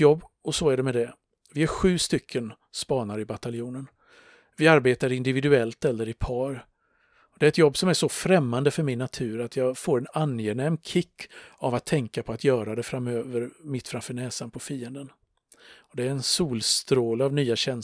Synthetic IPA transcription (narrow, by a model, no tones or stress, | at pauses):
jɔbːɔsɔæɖɛmɛd̪ɛ | vɪæɾɧʉ̟ːst̪ʏkʰːən | spɑːnaɾɪbat̪aljuːnən | vɪaɾbeːt̪aɾɪnd̪ɪvɪd̪ɵɛlt̪ɛlːəɾɪpʰɑːɾ | ɔd̪ɛɾɛt̪jɔbːsɔmæʂɔfɾɛmːand̪əfœɾmɪnːat̪ʰʉ̟ːɾat̪ʰjɑːɡfoːɾɛnanjenɛmkʰɪkːavat̪ʰːɛŋkapʰɔat̪jœːɾad̪ɛfɾamøːvəɾmɪt̪ːfɾamfœːɳɛːsanpʰɔfiːənd̪ən | ɔd̪ɛæɾɛnsuːlst̪ɾoːlavnyːaɕɛn